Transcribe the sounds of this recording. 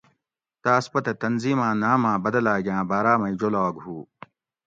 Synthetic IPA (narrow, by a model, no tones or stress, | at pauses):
t̪aːspɐt̪ɐt̪ɐnziːmãːnaːmãːbɐd̪ɐlaːɡjãːbaːɾaːmɐid͡ʑolaːɡhuː